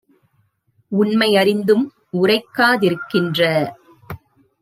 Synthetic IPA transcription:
ʊɳmɐɪɐɾɪnd̪ɯm | ʊrɐɪkːaːðɪɾɯkːɪndrɐ

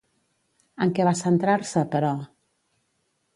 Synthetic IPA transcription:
əŋkɛβasənt̪ɾaɾsəpəɾɔ

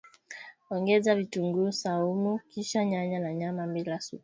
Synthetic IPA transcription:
ɔŋɡɛzavituŋɡusaumukiʃaɲaɲanaɲamambilasṵ

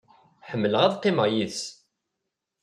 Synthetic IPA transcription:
ħəmːələʁæðqːimæjiðs

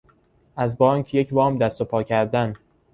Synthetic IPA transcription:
ʔæzbɒːŋkʰje̞cʰvɒːmd̪æst̪o̞pʰɒːcʰæɾd̪æn

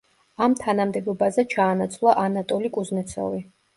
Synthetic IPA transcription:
amt̪ʰanamd̪ɛbɔbazɛt͡ʃʰaːnat̪sʰlˠaʔanat̪ʼɔlikʼuznɛt̪sʰɔ̰vi

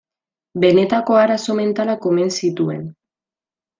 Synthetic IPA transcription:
be̞ne̞t̪ako̞aɾaso̞me̞nt̪alako̞me̞nsit̪ue̞̰n

